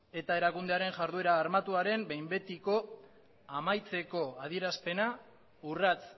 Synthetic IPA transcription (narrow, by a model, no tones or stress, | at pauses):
e̞t̪ae̞ɾakund̪e̞aɾe̞ŋʝaɾðue̞ɾaːɾmat̪uaɾe̞mbe̞jmbe̞t̪iko̞ | amajt͡se̞ko̞að̞ie̞ɾaspe̞na | urat͡s